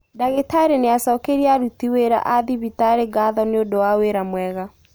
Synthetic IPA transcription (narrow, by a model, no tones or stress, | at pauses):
daɣetaɾeneasɔkeɾiaɾutiweɾa̰ʔaðiβitaɾeɡaðɔneodowaweɾamwɛɣa